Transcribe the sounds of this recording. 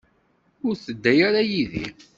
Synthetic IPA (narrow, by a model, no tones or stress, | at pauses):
ʊɾθəd̪ːæjaɾajiðḭ